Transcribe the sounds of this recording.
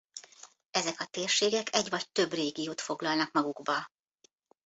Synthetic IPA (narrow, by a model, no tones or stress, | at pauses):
ɛzɛkɒt̪eːrʃeːɡɛkɛɟʋɒc̚t̪ø̞breːɡijoːt̪fo̞ɡlɒlnɒkmɒɡuɡbɒ